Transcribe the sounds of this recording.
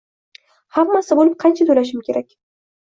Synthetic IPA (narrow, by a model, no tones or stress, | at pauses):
hamːasɪbolɪp̚qʰɑnt͡ʃʰat̪ʰolaʃ̬ɪmkʲʰe̞ɾakʲ